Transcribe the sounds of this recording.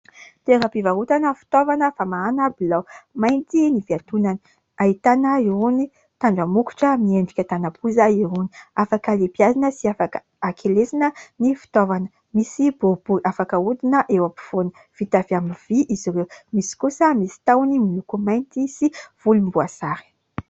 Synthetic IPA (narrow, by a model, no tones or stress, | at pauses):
t̪eɾapivaɦut̪anəfi̥t̪ovanəfamaanəbilamajnt̪iniviat̪unani | aɦit̪anəioni | t̪aɳɖ͡ʐamuku̥ʈ͡ʂəmieɳɖ͡ʐikʲat̪anapuzaioniafakəlipiazinəsiafakə | akʰelesinənifi̥t̪ovanə | misibob̥uiʔafakəud̪inəʔewapi̥fonə | v̥it̪aviamiviʔiziɾewmisi̥kusəmisi̥t̪awniminukumajnt̪isiv̥ulumbuasaɾi̥